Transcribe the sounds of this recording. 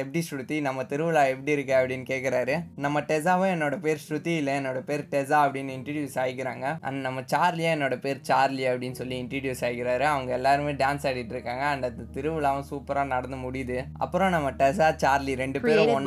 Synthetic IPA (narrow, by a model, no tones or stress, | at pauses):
ɛpɐʈisʊɾɯt̪ːinɐmːɐt̪ɪɾɯʋɯɭaːɛpːɐɽiɪɾɯkːɯɐpːɐɽɪnːɯkeːʈkːɪɾaːɾɯnɐmːɐʈɛs̬aːʋʊ̃ɛnːoːɽɐpeːɾsɾʊt̪ːiɪlːɐɛnːoːɽɐpeːɾʈɛsaːɐpːɐɽɪnːɯɪɳʈɐɾʋjuːsaːjkːɪɾaːŋɡɐɐ̰nnɐmːɐt͡ʃaːɾliaɛnːoːɽɐpeːɾt͡ʃaːɾliɐpːɐɽɪnːɯsɔlːiɪɳʈɐɾʋjuːsaːjkːɪɾaːɾɯɐʋɐŋɡɐɛlːaːɾɯmeːɖaːnsaːɽɪʈːɯɾɯkːaːŋɡɐːnd̪ɐðɐt̪ɪɾɯʋɯɭaːʋʊ̃suːpɐɾaːnɐɽɐnd̪ɐmʊɽɪjɐðɯɐ̰pːɯɾõnɐmːɐʈɛs̬aːt͡ʃaːɾliɾɛɳɖɯpeːɾɔnː